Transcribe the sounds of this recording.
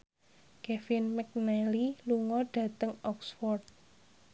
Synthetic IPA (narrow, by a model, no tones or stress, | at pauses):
kɛfɪnmɛk̚nɛliluŋɔɖ̥ä̤t̪əŋɔksfɔrt̪̚